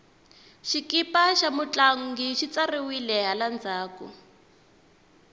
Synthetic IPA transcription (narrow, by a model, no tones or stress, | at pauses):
ʃikipaʃamut͡ɬaŋ̩ɡiʃit͡sariwilɛɦaland͡zaːkṵ